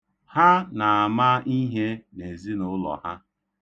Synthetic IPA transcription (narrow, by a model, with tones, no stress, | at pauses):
ha˦na˨a˨ma˦i˦ɦe˦ne˨zi˦nʊ˦lɔ̰˨ha̰˦